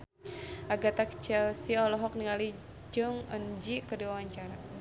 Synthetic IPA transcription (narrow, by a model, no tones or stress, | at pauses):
ʔaɡat̪akə̥t͡ʃɛlsiɔlɔɦɔk̚niŋali | d͡ʒuŋənd͡ʒikədiwawaɲt͡ʃaɾa